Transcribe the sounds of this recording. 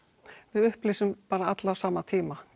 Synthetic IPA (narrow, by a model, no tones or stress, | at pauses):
vɪðʏhplɪːsʏmpaːɾaat̪lawsaːmat̪ʰiːma